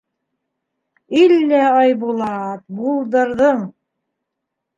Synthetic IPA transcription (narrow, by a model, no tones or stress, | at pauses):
ilːæɑjβulˠɑt̪bulˠd̪ɤ̆ɾðɤɴ